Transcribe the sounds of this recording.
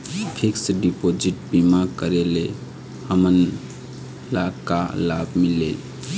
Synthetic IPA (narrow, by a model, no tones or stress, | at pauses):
pʰiksɖipod͡ʒiʈbimaɡkəɾele | həmən | lakalabmile